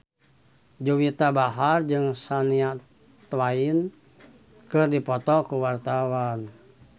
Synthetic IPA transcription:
d͡ʒuwit̪abaɦard͡ʒɨŋsaniaʔ | t̪wain | kɨrdipɔt̪ɔkuwart̪awan

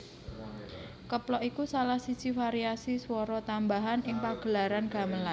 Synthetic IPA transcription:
kəplɔʔikusalahsid̥t͡ʃifaɾiasiswɔɾɔt̪ambaɦanɪŋpaɡ̥ə̤laɾanɡ̥a̤məlan

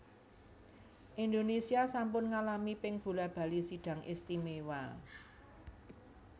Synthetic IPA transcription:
ʔind̪onesiasampʊnŋalamipɪŋb̥ṳlab̥ä̤lisiɖ̥ä̤ŋɪst̪imewa

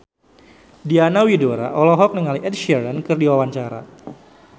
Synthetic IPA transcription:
dianawidoɾa̰ʔɔlɔɦɔk̚nəŋaliʔɛt̚ʃɛɾankɨrdiwawaɲt͡ʃaɾa̰

